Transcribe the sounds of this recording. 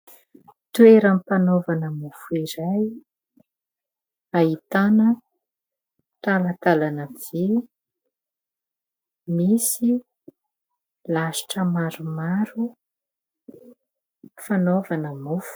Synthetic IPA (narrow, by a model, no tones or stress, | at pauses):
t̪ueɾamipanovanəmufuiɾaj | ait̪anə | t̪alət̪alanəvi | misi | laʃi̥ʈ͡ʂəmaɾumaɾu | fanovanəmufu̥